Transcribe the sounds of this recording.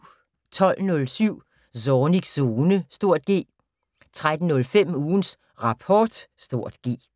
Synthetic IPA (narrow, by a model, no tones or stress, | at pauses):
t͡sʰɒ̽l̰nɔ̽lsyʊ̰ | sɒːniɡ̥so̝ːnəsd̥o̝ɐ̰d̥̚ɡ̥e̝̰ː | t͡sʰʁad̥n̩nɔ̽lfem̰uːns | ʁɑ̈pʰɒːd̥sd̥o̝ɐ̰d̥ɡ̥e̝̰ː